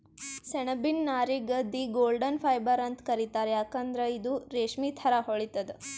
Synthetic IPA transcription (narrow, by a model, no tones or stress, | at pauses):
seɳɐbinːaːɾiɡɐd̪ːiɡoːlɖɐnpʰɐjbɐɾɐnt̪kɐɾit̪aːɾejaːkɐnd̪ɾeid̪uɾeːʂmit̪ʰɐɾaɦoɭit̪ɐd̪e